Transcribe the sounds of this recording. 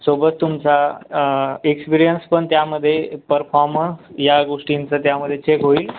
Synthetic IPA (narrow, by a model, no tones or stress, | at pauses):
sobət̪ːumt͡sa | ekspiɾijənspəɳt̪jaməd̪ʱːjepəɾfɔɾməjaɡoʂʈint͡sət̪jaməd̪ʱːjet͡ɕekɦoiːl